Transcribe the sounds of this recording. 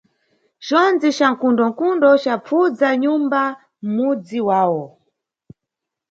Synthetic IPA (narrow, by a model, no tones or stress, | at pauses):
ʒɔnd͡ziʃaŋkundɔŋ̩kundɔt͡ʃap͡fud͡zaɲumba | m̩mud͡ziwaːwɔ